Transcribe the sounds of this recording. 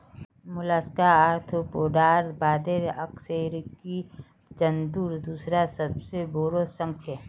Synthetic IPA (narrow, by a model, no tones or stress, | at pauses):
mʊlaskaaɾt̪ʰpoːɖaːɾbaːd̪eɾəkseɾki | d͡ʒənd̪uːɾd̪uːsɾasəbseboɾosə̃ŋt͡ʃʰe